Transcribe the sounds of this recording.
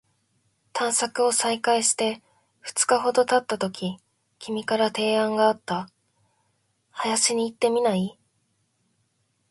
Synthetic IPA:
t̪ʰãɰ̃sakɯ̟o̞saikaiɕi̥t̪e̞ | ɸɯ̟̥t͡sɨ̥kaɦo̞d̪o̞t̪at̪ːat̪o̞kʲʰi | kʲʰimʲikaɾat̪e̞ːãŋɡaːt̪ːa | hajaɕiɲ̟iːt̪ːe̞mʲinai

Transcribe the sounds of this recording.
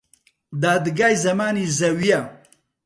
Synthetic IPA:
d̪aːd̪ɡaːjzɐmaːnizɐwija

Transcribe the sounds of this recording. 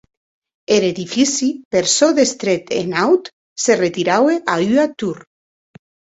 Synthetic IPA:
eɾeðifisipeɾsoðest̪ɾet̪ḛnawt̪ | seret̪iɾaweʔayat̪uɾ

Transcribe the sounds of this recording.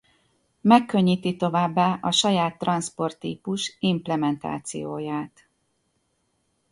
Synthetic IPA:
mɛkːø̞ɲːiːt̪it̪o̞vaːbːaːʔɒʃɒjaːt̪ːrɒnspo̞rt̪ːḭːpuʃimplɛmɛnt̪a̰ːt̪sḭjoːjaːt̪

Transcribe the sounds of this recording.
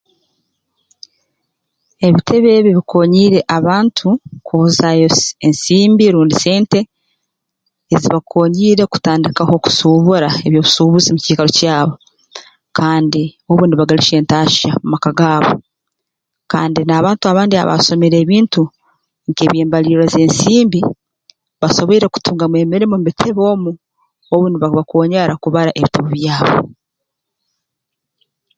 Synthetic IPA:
e̞βitʰe̞βe̞βiβikʰo̞ːɲiːɾe̞ʔaβaːntʰukʰuβuzajoensiːmbiɾuːndise̞ːnte̞ | eziβakʰo̞ːɲiːɾe̞ku̥taːndikaho̞ku̥suβoɾae̞βjo̞ːβusuːβuzimuciːkaɾo̞caːβo̞ | kʰaːndioβuːndiβaɡaliʃe̞ːntaːʃamumakaɡaːβo̰ | kaːndinaːβaːntuaβaːndia̰βa̰so̞meɾe̞ːβiːntu | ŋkeːβjeːmbaliɾoze̞ːnsiːmbi | βaso̞βoiɾe̞ku̥tuːŋɡamwe̞ːmiɾimombitʰeβo̞ːmu | oβuːndiβaβakoːɲaɾakuβaɾaʔeβitaβoβjaːβo̰

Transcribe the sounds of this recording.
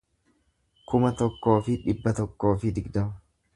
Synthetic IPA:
kʊmɐt̪ɔkːo̞ːfɪᶑɪbːɐt̪ɔkːo̞ːfɪd̪ɪɡd̪ɐmɐ

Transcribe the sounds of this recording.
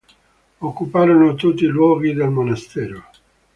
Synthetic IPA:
okːupaːɾonot̪ut̪ːiːlwɔːɡid̪elmonast̪ɛːɾo

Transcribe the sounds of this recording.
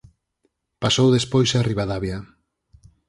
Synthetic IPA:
pasowðespojsariβaðaβja

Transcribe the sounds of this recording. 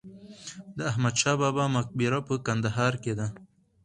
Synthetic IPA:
d̪əahmad̪ʃɑbɑːbɑmak̚biɾapəkand̪aɦɑːɾked̪a

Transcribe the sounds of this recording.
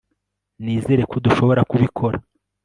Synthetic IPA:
niːze̞ɾe̞koduʃo̞βo̞ɾakuβikʰo̞ɾa

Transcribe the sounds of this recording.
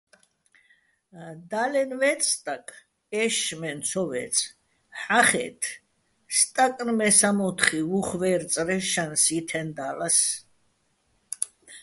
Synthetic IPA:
d̪alɛnvɛt̪t͡s̪ʼʰt̪ʼakʼ | ɛʃmɛnt̪sʰɔvɛ̰t̪sʰʼ | ħaχɛ̰t̪ʰ | st̪ʼakʼnmɛsamɔt̪ʰχivuχvɛːɾt̪sʼɾɛʃansit̪ʰɛnd̪alas

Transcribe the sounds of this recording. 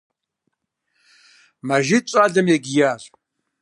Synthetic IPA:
maʒɪt͡ʃʷʼaɮɨmjeɡʲjaɕʷʼ

